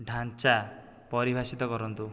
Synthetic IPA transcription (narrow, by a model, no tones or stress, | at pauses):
ɖʱant͡ʃa | pɔɾibʱasit̪ɔkɔɾɔnt̪u